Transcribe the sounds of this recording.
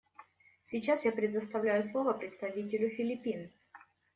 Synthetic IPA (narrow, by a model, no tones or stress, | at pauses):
sʲɪt͡ɕasjapɾʲɪd̪əst̪ɐvlʲæjʊslˠo̞vəpɾʲɪt̪st̪ɐvʲitʲɪlʲʊfʲɪlʲɪpʲin